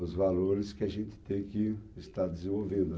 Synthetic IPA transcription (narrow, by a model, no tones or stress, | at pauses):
ʊzvaloɾɪskɪaʒẽnt͡ʃ̪ɪ̥t̪ẽj̃kɪːst̪aɾd̪ɪzẽvowvẽnd̪ʊ